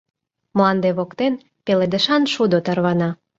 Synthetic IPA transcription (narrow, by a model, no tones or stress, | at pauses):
mlɑnd̪eβokt̪en | peled̪ə̆ʃɑnʃud̪ot̪ɑrβɑnɑ